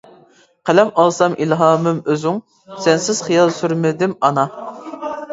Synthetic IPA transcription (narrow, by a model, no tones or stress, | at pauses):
qʰælɛmɑlˠsɑmʔilɦɑːmɨmøzyŋ | sɛnsɪz̥χijɑlˠsyɾmɪd̪ɪmɑnɑ